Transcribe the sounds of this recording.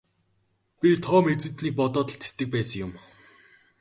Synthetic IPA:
pʲit̪ʰɔːmet͡sɘ̆t̪niːk̚pɔt̪ɔːt̪ə̆ɬt̪ʰe̥st̪ɘ̆k̚pæːsə̆ŋjʊm

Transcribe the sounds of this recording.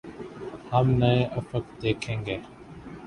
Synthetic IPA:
haːmnəẽːʔəfəkd̪eːkʰẽːŋɡeː

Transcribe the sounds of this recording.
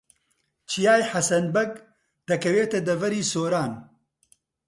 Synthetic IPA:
t͡ʃijaːjħɐsɐnbɐɡ | d̪̥ɐkɐweːt̪ɐd̪ɐvɐɾiːsoːɾaːn

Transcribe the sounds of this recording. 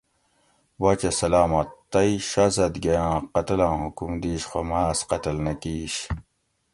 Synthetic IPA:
wɐt͡ɕɐsɐlaːmɐt̪t̪ːɐiɕazɐd̪ɡɐjãːqɐt̪ɐlãːhukumd̪iːɕxomaːsqɐt̪ɐlnɐkiːɕ

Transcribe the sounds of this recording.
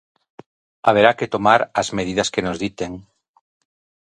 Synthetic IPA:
aβ̞eɾaket̪omaɾazmeð̞iðɐskenozðit̪eŋ

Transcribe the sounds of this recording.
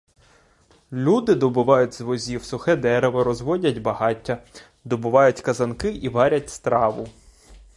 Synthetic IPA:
lʲud̪ɪd̪ɔbʊʋɑjʊtʲzʋɔzʲiwsʊxɛd̪ɛɾeʋɔɾɔzʋɔdʲɐtʲbɐɦɑtʲːɐ | d̪ɔbʊʋɑjʊtʲkɐzɐnkɪʔiʋɑɾʲɐtʲst̪ɾɑʋʊ

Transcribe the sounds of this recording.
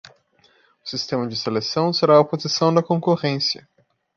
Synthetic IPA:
ʊsist̪ẽmɐd͡ʒɪselesɐ̃w̃seɾaɐopozisɐ̃w̃d̪ɐkõkoʁẽsjɐ

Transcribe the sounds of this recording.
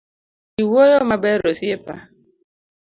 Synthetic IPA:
iwojomabeɾosiepa̰

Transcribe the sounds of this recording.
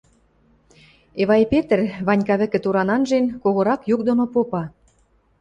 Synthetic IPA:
eβɑjpet̪ə̆rβɑnʲkɑβɘ̆kɘ̆t̪uɾɑnɑnʒenkoɣŏɾɑkjuk̚d̪onopopɑ

